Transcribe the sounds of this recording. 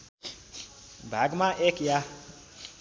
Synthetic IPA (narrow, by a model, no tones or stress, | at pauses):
bʱaɡmãʔekja